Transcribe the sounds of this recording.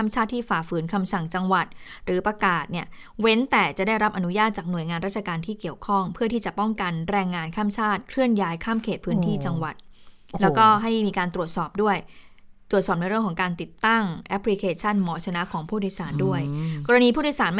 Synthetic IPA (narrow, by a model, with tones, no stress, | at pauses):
a˥˩mt͡ɕʰaː˥˩t̪̚ʰːiː˥˩faː˨˩fɯː˩˦nkʰa˧msa˨˩ŋt͡ɕa˧ŋwa˨˩t̪̚ɾɯː˩˦pɾa˧kaː˨˩t̪̚ni˥˩ə | we˦˥nt̪ɛː˨˩t͡ɕa˨˩daː˥˩jɾa˦˥p̚ʔa˧nu˦˥jaː˥˩t̪̚t͡ɕaː˨˩k̚nu˨˩əjŋaː˧nɾaː˥˩t͡ɕʰa˧kaː˧nt̪ʰiː˥˩ki˨˩əwkʰɔ˥˩ŋpʰɯ˥˩t̪ʰiː˥˩t͡ɕa˨˩pɔ˥˩ŋka˧nɾɛː˧ŋːaː˧nkʰaː˥˩mt͡ɕʰaː˥˩t̪̚kʰɾɯ˥˩ənjaː˦˥jkʰaː˥˩mkʰeː˨˩t̪̚pʰɯː˦˥nt̪ʰiː˥˩t͡ɕa˧ŋwa˨˩t̪̚ | lɛː˦˥wkɔː˥˩ɦa˥˩jmiː˧kaː˧nt̪ɾu˨˩ət̪̚sɔː˨˩p̚du˥˩əjt̪ɾu˨˩t̪̚sɔː˨˩n˧jɾɯ˥˩əŋkʰɔ˩˦ŋkaː˧nt̪i˨˩t̪ːa˥˩ŋʔɛ˦˥pʰli˧˥kʰeː˧t͡ɕʰa˥˩nmɔː˩˦t͡ɕʰa˧na˦˥kʰɔː˩˦ŋpʰuː˥˩djsaː˩˦ndu˥˩əjkɔː˧ɾa˧niː˧pʰuː˥˩du˧˥˩saː˩˦nm